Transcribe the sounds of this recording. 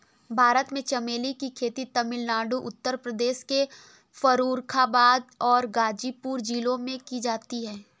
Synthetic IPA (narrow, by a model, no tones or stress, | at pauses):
bʱaːɾət̪mẽt͡ʃɐmeːlikikʰeːt̪it̪ɐmɪlnaːɖuʔʊt̪ːəɾpɾəd̪eːʃke | fɐɾuːɾkʰabaːd̪ɔːɾɡaːd͡ʒipuːɾd͡ʒiːlõmẽkid͡ʒaːt̪iɦɛː